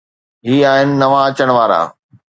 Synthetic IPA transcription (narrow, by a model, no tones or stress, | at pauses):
ɦiːaːɦɪnɪ̆nɐʋaɐt͡ɕəɽ̃ʋaːɾa̰ː